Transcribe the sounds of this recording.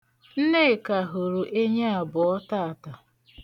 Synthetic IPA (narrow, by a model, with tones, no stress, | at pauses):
n̩˦ne˦˨ka˨ɦo˨ɾu˨ʔe˦ɲa˦a˨bʊ˨ɔ˦ta˦a˨ta˨